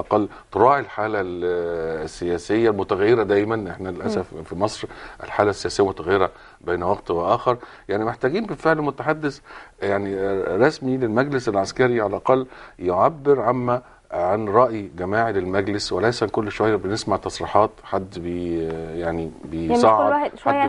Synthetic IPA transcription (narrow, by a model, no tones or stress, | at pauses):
ʔɑqɑlː | t̪ˤɾˤɑːʕilħaːlæl | sːejæːsejːælmʊt̪æɣæjːeɾæd̪æjmænʔeħnæelʔæsæffimɑsˤɾʔɪ̰lħaːlæsːejæːsɪjːælmʊt̪æɣæjːeɾæ | beːnwɑɡt̪weʔæːxeɾˤ | jaʕnimeħt̪æːɡiːnbefeʕllmʊt̪aħad̪ːesjaʕniɾˤɑsmilelmæɡlɪsælʕaskæɾiʕalʔɑqɑlːjoʕabːɪɾʕamːæ | ʕanɾˤɑʔjiɡæmaːʕlelmæɡlɪswælæjsænkolːʃowæjːæbenesmaʕt̪ɑsˤɾiːħɑːt̪ħad̪ːbejaʕnibesˤɑʕɑdjː